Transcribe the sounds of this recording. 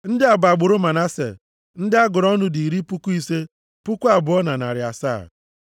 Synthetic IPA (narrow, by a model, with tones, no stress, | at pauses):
n̩˦dɪ˦a˨ba˨ɡ͡bʊ˨ɾʊ˦ma˨na˦sḛ˨ | n̩˦dɪ˦a˦ɡʊ˨ɾɔ˦nʊ˦di˨i˨ɾi˦pu˦ku˦i˦se˦ | pu˦kʷu˦a˨bʊ˨ɔ˦na˨na̰˨ɾɪ˨a˨sa̰ː˦˨